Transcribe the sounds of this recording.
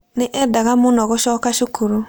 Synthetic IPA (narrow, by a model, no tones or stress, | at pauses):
niʔɛdaɡamũnɔɡɔsɔkasukʰoɾo